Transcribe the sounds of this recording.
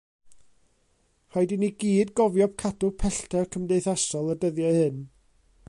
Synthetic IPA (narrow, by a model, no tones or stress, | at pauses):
rajdɪniɡiːdɡɔvjɔb̥̚kʰadʊpʰɛɬtʰɛkʰəmdejθasɔlˠədəðjɔhɨn